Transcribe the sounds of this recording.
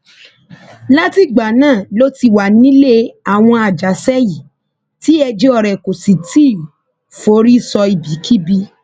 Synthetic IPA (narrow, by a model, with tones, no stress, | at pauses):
la˦ti˦ɡ͡ba˨nãː˦˨lo˦ti˧wa˨nĩ˦le˦a˨w̃ɔ̃˧a˨d͡ʒa˨˦sɛ˦ji˨ | ti˦ɛ˧d͡ʒe˦ɔ˧˨ɾɛ˨ko˨si˨ti˦˨ | fo˨˦ɾi˦sɔ˧i˨bi˨˦kʰi˦bi˧